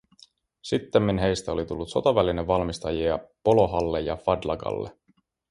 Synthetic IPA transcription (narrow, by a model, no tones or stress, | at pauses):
sit̪ːemːinɦe̞jst̪æo̞lit̪ulːut̪so̞t̪ɑʋælineʋːɑlmist̪ɑjiɑpo̞lo̞ɦɑlːejɑ̰fɑd̪lɑ̰ɡɑ̰lːe